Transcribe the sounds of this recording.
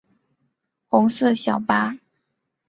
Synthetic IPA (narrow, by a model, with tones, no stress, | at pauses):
xʊ˧˥ŋsɤ˥˧˨ɕjɑ˨˩ʊpa˥